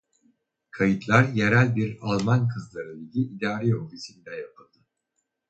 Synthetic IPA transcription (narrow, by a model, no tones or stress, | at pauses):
kʰajɯt̪lˠaɾjeɾælʲbiɾalˠmankʰɯzlˠaɾɯiɟʲiʔːd̪aːɾiofisinid̪ɛjap̚ʰɯlˠd̪̥ɯ